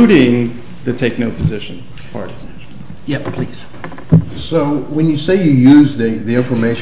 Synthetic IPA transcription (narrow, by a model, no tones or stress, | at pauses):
uɾɪ̃ŋ | ðɨtʰeɪk̚noʊpʰɨzɪʃɨ̃n | pʰɑ̰ɹɾi | jɛppʰl̥iz̥ | soʊwɨ̃njɨseɪjɨjʉzðiðiɪ̃ɱfə˞meɪʃ